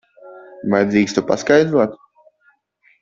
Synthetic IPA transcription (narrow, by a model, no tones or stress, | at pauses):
vajd̪ʲiːkst̪upa̰skajd̪ɾuɔt̪